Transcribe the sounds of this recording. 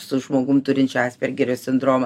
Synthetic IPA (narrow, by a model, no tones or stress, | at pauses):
sʊʒmoːɡʊmt̪ʊɾʲɪnʲt͡ʃʲɑːsʲpʲɛɾʲɡʲɛɾʲɛssʲɪnd̪ɾoːmɐ